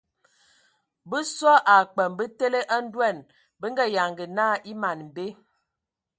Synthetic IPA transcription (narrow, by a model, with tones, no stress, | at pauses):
bə˦sɔ˦ʔa˨k͡pɛ˨mbə˦te˦le˦ʔa˦n̩˦dwɛ˦˨n | bə˦ŋ̩˦ɡɛ˦˨ja˨ŋɡə˨naː˦˨ʔi˦ma˨nm̩˨be˦